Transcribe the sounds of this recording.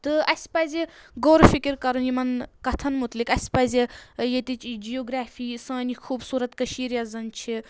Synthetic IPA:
t̪ɨɐsʲpɐzʲiɡoːɾfikiɾkɐɾunjimɐnkɐt̪ʰɐnmut̪likɐsʲpɐzʲijet̪it͡ʃd͡ʒijoːɡɾaːfiːsãːnixʰuːbsuːɾɐt̪kɐʃiːɾijɐzɐnt͡ʃʰi

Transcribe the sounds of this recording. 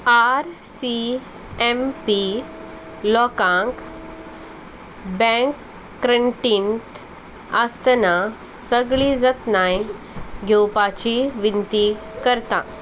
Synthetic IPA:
aɾ | si | empi | lɔkãŋk | bɛ̃ŋkː | ɾəɳʈint̪ | əst̪əna | səɡɭid͡zət̪naj | ɡʱewpat͡ɕiʋint̪ikəɾt̪ã

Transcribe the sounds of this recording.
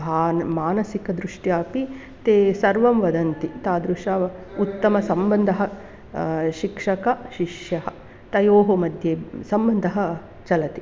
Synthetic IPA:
aːnmaːnɐsikɐd̪ɾuʂʈjaːpi | t̪eːsɐɾʋɐmʋɐd̪ɐnt̪it̪aːd̪ɾuʂaːut̪ːɐmɐsɐmbɐnd̪ʱɐɦɐ | ʃikʂɐkɐʃiʂjɐɦɐ | t̪ɐjoːɦomɐd̪ʱjeːsɐmbɐnd̪ʱɐɦɐ | t͡ʃɐlɐt̪i

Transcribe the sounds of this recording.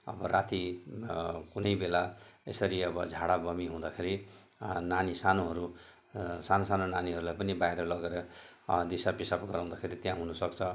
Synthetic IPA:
ʌ̰bʌrat̪i | kunʌjbelaesʌɾiʌbʌd͡zʱaɽabʌmiɦũd̪akʰeɾi | nanisanoɦʌɾu | sanosanonaniɦʌɾulajpʌnibaiɾʌlʌɡeɾʌd̪isapisapɡʌɾaw̃d̪akʰeɾit̪jãɦunʌsʌkt͡sʰʌ

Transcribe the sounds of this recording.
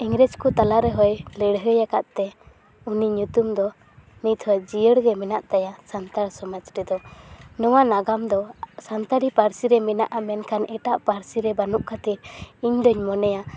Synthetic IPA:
ɛŋɾɛd͡ʒkut̪alaɾɛɦɔjləɽɦəjakaʔt̪ɛ | uniɲut̪umd̪ɔ | nit̪ʰhɔd͡ʒijəɽɡɛmɛnaʔt̪ajasant̪aɽsɔmad͡ʒɾɛd̪ɔnɔwanaɡamd̪ɔsant̪aɽipaɾsiɾɛmɛna̰ʔamɛnkʰanʔɛʈaʔpaɾsiɾɛbanuʔkʰat̪iɾiɲd̪ɔɲmɔnɛja

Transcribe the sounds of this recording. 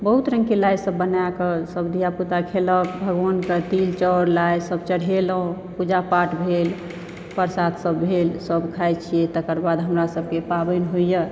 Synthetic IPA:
bəɦut̪ɾə̃ŋkelajsəbːənakəsəbd̪ʱijaput̪akʰeləkbʱəɡʋankət̪ilt͡ʃɔɾlajsəbt͡ʃəɽ̤ɦelɦũ | pud͡ʒapaʈbʱel | pəɾsat̪səbːʱelsəbkʰajt͡ʃʰijet̪əkəɾbad̪ɦəmɾasəbkepabənɦojjə

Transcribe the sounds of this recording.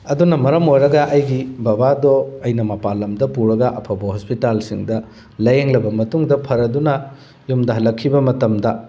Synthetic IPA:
ɐdunɐmɐɾɐmojɾɐɡɐʔɐjɡibɐbadɔɐjnɐmɐpalːɐmdɐpuɾɐɡɐʔɐpʰɐbɐhospitalsiŋdɐ | lɐjeŋlɐbɐmɐtuŋdɐpʰɐɾɐdunɐ | jumdɐɦɐlːɐkʰːibɐmɐtɐmdɐ

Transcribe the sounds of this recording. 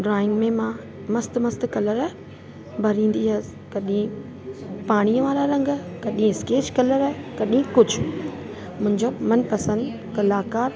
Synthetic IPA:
ɖɾaːɪ̃ŋɡmẽmã | mɐst̪mɐst̪kɐləɾ | bʱɐɾĩːn̆d̪iɦɐs | kɐɗĩ | paːɽ̃ijə̃ʋaːɾaɾɐ̃ŋɡkɐɗĩɪskeːt͡ɕkɐləɾɦkɐɗĩkʊd͡ʑʱʊ | mʊ̃ɦɪ̃ɲd͡ʑomɐnpɐsə̃nd̪ | kɐlaːkaːɾ

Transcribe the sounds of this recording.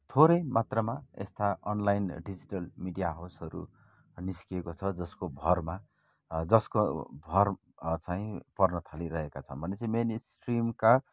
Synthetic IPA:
t̪ʰoɾʌjmat̪rʌmaḛst̪aʌnlajinɖid͡ziʈʌlmiɖijaɦasʌɾṵ | niskiekot͡sʰʌd͡zʌskobʱʌrma | d͡zʌskobʱʌr | t͡saĩpʌrnʌt̪ʰaliɾʌɦekat͡sʰʌ̰nbʱʌnet͡sʌĩmenisʈrimka

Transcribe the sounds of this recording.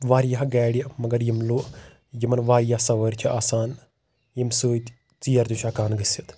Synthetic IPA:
ʋaːɾjaɦɡɛːɽjɐmɐɡɐɾjimluʔ | jimɐnʋaːɾjahsɐʋəɾt͡ʃʰiʔaːsaːn | jimsuːt̪ | t͡siːɐɾd̪uʃaːkaːnɡisit̪

